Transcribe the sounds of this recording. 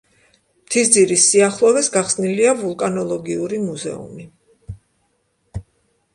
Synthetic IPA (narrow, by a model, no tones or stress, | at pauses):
mt̪ʰisd̪ziɾisiaχlˠɔvɛsɡaχsniliavulˠkʼanɔlˠɔɡiuɾimuzɛ̰ṵmi